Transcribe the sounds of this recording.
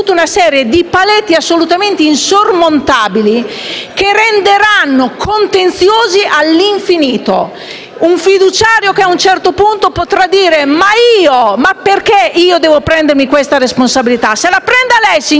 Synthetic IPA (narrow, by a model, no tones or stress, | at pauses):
ut̪ːunasɛːɾjed̪ipalɛt̪ːiasːolut̪ament̪einsormont̪aːbilikerend̪eɾanːokʰont̪ent̪sjoːziʔalːiɱfiniːt̪o̰ | uɱfid̪ut͡ʃaːɾjokeaunt͡ʃɛrt̪opunt̪opot̪ɾad̪iːɾemaiːomaperkeiːod̪ɛːvopɾɛnd̪eɾmikwest̪aɾesponsabilit̪aselapɾɛnd̪alɛjsi